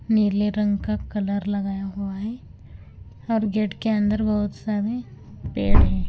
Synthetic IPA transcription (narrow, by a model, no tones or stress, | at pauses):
niːleɾə̃ŋɡkakɐləɾlɐɡaːjaɦuaɦɛː | ɔːɾɡeːʈkeɐ̃nd̪əɾbɐɦʊt̪saːɾe | peːɽɦɛː